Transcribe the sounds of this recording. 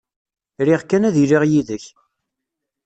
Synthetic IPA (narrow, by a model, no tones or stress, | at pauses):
ɾiʁkːænæðiliʁjiðəç